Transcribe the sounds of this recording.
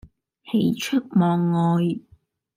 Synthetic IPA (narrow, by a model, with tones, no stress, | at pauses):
he˨˧jt͡ʃʰɵ˥k̚mɔː˨˧ŋːɔː˨˧j